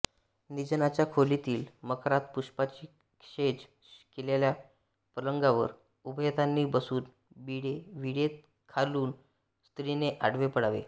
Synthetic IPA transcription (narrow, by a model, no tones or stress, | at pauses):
nid͡ʑnat͡ɕjakʰolit̪iːlməkʰɾat̪̚puʂpat͡ɕiː | kʂed͡ʑ | kelelja | pələŋɡaʋə̰ɾ | ubjət̪anːiːbəsuːn | biɽeʋiɽet̪̚ | kʰaluːn | st̪ɾineʔaɽʋepəɽ̤aʋḛ